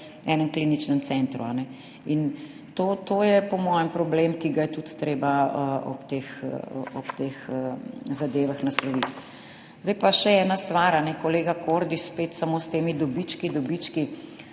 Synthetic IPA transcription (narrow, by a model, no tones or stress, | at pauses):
ɛːnəmklinit͡ʃnənt̪sɛnt̪ɾṵanɛ | in | t̪oːt̪oːjɛpɔmɔːjəmpɾɔblemkiɡajɛt̪ut̪ːɾeːbaəɔ̰pt̪exɔpt̪exəzad̪eːʋaxnaslɔʋit̪ | zd̪ɛɪjpaʃɛɛːnast̪ʋaːɾanɛkɔleːɡakoɾd̪iʃspeːt̪samost̪eːmid̪ɔbit͡ʃkid̪ɔbit͡ʃki